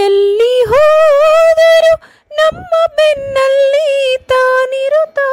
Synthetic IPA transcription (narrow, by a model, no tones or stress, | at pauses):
ɐlːiɦoːd̪ɐɾu | nɐmːɐpɛnːɐlːit̪aːniɾut̪a